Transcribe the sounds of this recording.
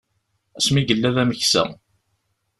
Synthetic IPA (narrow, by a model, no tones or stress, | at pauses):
æsmiɡəlːæðæməçsæ̰